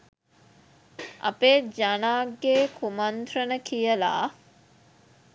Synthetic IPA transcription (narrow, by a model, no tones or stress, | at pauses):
ʔɐ̰ped͡ʒanaːɡːeːkʰumant̪rənəkʰijəla̰ː